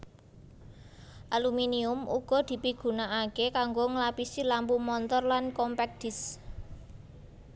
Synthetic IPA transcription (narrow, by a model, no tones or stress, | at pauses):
ʔaluminiʊmṵɡ̥ɔ̤d̪̥i̤piɡ̥ṳnaakekaŋɡoŋlapisilampumɔnt̪ɔrlankɔmpɛk̚d̪̥ɪ̤s